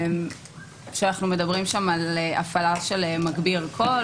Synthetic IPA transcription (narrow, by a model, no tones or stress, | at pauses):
m | ʃeanaχnume̞d̪ɐbʁimʃamaleʔafalaʃelemaɡbiʁalkʰo̞